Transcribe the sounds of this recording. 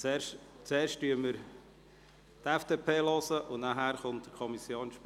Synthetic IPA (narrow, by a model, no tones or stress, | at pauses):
ɛːɾʃ | t͡sueːɾʃtyəməɾ | tɛfd̥eːpʰeːlɔsəʔʊnnaɦæːɾχʊnt̚d̥̪əɾkʰɔmisjoːnʃp